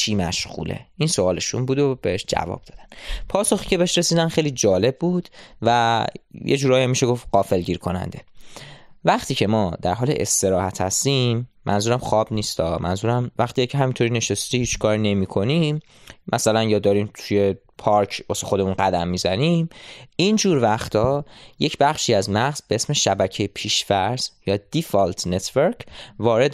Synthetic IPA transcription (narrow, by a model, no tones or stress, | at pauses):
t͡ʃʰiːmæʃɣṵːlḛʔinsoɒːle̞ʃunbuːd̪ob̥e̞heʃd͡ʒæ̰vɒ̰ːb̚d̪ɒːd̪ænpʰɒːsoxiːcʰe̞be̞eʃɾe̞siːd̪ænxejliːd͡ʒɒːle̞b̚buːd̪̥væjʔḛd͡ʒuːɾɒːjæmːiːʃeɡo̞fɢɒːfe̞lɟiːɾkʰo̞næ̰nd̪e̞ | væχt̪ʰiːcʰe̞mɒːd̪æɾɦɒːlḛʔest̪e̞ɾɒːhæt̪ʰhæst̪imːʔæ̰nzuːɾæmχɒːbniːst̪ɒːmʔæ̰nzuːɾæmvæχt̪iːɛjcʰeɦæmint̪ʰoɾiːne̞ʃest̪iːhiːt͡ʃkʰɒːɾine̞miːkʰo̞nimː | ʔæsælænjɒːd̪ɒːɾiːmt̪ʰuje̞ | pʰɒɾcʰbosexo̞d̪e̞munɢæd̪æmːiːzæniːmind͡ʒuːɾvæχt̪ʰɒːje̞cʰbæχʃiːæzmæʁz̥beesme̞ʃæbæcʰejepʰiːʃvæɾz̥jɒːd̪̥ifɒlt̪ʰnet̪ʰveɾkʰvɒːɾe̞d̪